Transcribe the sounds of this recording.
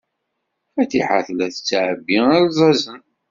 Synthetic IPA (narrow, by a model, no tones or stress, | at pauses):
fæt̪iħa̰θlæθət͡sːʕəbːiælzˤɑzən